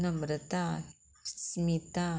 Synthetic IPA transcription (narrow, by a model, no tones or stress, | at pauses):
namɾət̪a | smit̪a